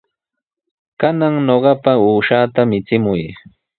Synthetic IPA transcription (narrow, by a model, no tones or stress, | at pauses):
kanaŋnoɢɑpauːʃaːt̪amɪt͡sɪmʊj